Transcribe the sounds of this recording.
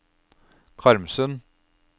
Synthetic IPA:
kʰɑɾmsœn

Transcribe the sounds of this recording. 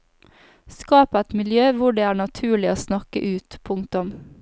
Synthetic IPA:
skɑːpəɛt̪mɪljøːʋʊɖeːæːɳɑt̪ʰʉːɭɪoːsnɑkə̰ʔʉːt̪pʰʊŋt̪ʊm

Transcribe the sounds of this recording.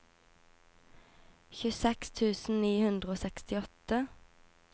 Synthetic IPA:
çʉsɛkst̪ʰʉːsn̩niːhʉnd̪ʁəoːsɛkst̪ɪɔt̪ə

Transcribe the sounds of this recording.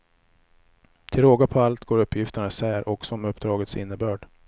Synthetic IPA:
t̪ʰɪlɾoːɡapʰɔalt̪ɡoːɾɵpʰːjɪft̪əɳasæːɾʔɔksɔɔmɵpːd̪ɾɑːɡət̪sɪ̰nːəbœːɖ̥

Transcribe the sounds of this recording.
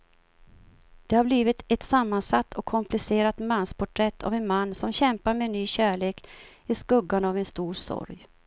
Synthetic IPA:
d̪̥ɛhaɾbliːvɪt̪ɛt̪samːansat̪ːʰɔkʰːɔmplɪseːɾat̪manspʰʊʈʰɾɛt̪ʰːa̰vɛnmanːsɔmɕɛmpaɾmenːyːɕæːɭeːk | ɪskɵɡːanavɛnst̪uːɾsɔ̰ɾj

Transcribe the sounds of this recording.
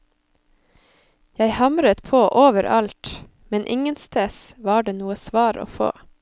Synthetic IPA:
jæɪhɑmɾət̪pʰoːʔoːʋəɾʔɑlt̪ | mɛnʔɪŋənst̪ʰeːs | ʋɑːɖeːnuːəsʋɑːɾo̰ːfo̰ː

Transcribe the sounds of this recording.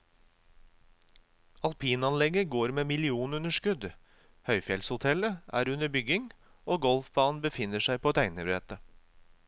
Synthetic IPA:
ɑlpʰiːnɑnlɛɡəɡoːɾmeːmɪlɪuːn̩ʉnəʃkʉd̪ | hœʏfjɛlshʊt̪ʰɛləʔæ̰ːɾʉnəbʏɡɪŋ | oːɡɔlfbɑːn̩bəfɪnəʃæɪpʰoːt̪ʰæɪnəɾeːt̪ə

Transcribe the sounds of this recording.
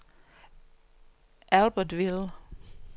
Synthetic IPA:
ʔælb̥əd̥ʋil

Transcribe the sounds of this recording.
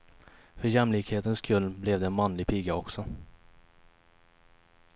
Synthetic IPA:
fœɾjɛmliːkheːt̪ənskʰɵlnblɛvd̪ɛːnmɑnlɪpʰiːɡaɔksɔ

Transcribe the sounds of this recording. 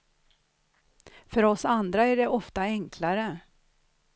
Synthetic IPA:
fœɾɔsand̪ɾaæɖɛʔɔft̪aɛŋkʰlaɾə

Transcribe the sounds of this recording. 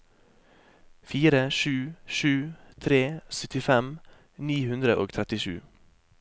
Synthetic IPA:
fiːɾəʃʉːʃʉːt̪ʰɾeːsœt̪ɪfɛm | niːhʉnd̪ɾəʔo̰ːɡt̪ʰɾɛt̪ɪʃʉ̰ː

